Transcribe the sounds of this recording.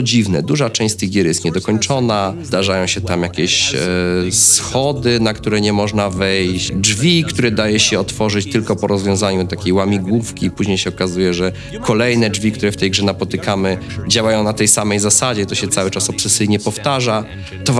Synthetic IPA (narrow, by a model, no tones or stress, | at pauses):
ɔd͡ʑivnɛd̪uʐat͡ʂɛ̃ɕt͡ɕt̪ɘɣɡʲjɛɾjɛst̪̚ɲɛd̪ɔkɔɲt͡ʂɔnazd̪aʐajɔ̃w̃ɕɛt̪amjakʲɛɕ | sxɔd̪ɘnakt̪uɾɛɲɛmɔʐnavɛjɕd͡ʐvʲikt̪uɾɛd̪ajɛɕɛɔt̪fɔʐɨt͡ɕt̪ɘlkɔpɔɾɔzvʲjɔ̃w̃zaɲut̪akʲejwamʲiɡwufkʲipuʑɲejɕɛɔkazujɛʐɛ | kɔlɛjnɛd͡ʐvʲikt̪uɾɛft̪ɛjɡʐɛnapɔt̪ɘkamɘd͡ʑawajɔ̃w̃nat̪ɛjsamɛjzasad͡ʑɛt̪ɔɕɛt̪sawɘt͡ʂasɔpsɛsɘjɲɛpɔft̪aʐa | t̪ɔv